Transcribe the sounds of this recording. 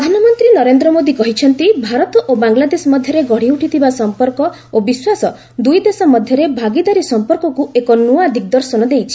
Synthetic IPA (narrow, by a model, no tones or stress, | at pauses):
ɾd̪ʱanɔmɔnt̪ɾinɔɾend̪ɾɔmod̪ikɔɦit͡ʃʰɔnt̪ibʱaɾɔt̪ɔʔobaŋlad̪esɔmɔd̪ʱjɔɾeɡɔɽ̤iuʈit̪ʰibasɔmpɔɾkɔ | obiswasɔ | d̪ujd̪esɔmɔd̪ʱjɔɾebʱaɡid̪aɾisɔmpɔɾkɔkuekɔnuad̪ʱikɔd̪ɔɾsɔnɔd̪ejt͡ʃʰi̥